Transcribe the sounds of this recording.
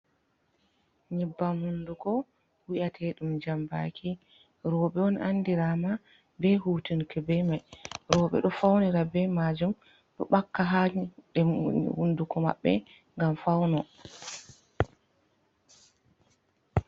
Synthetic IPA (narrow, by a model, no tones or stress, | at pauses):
ɲibːamhundukɔ | wiʔatʰɛɗumd͡ʒamba̰kʰi | ɾɔɓɛɔnʔandiɾama | bɛhuːtinkɛbɛmajɾɔɓɛ̰ɗɔfawniɾabɛmad͡ʒum | ɗɔ̰ɓakːaɦaɗɛhundukɔma̰ɓːɛ̰ | ŋɡamfawnɔ